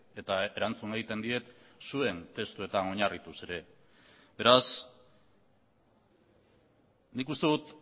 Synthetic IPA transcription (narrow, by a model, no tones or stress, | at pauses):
e̞t̪ae̞ɾant͡sune̞ɣit̪e̞nd̪ie̞t̪sue̞nt̪e̞st̪ue̞t̪ano̞ɲarit̪use̞ɾe̞ | be̞ɾas | nikust̪eðut̪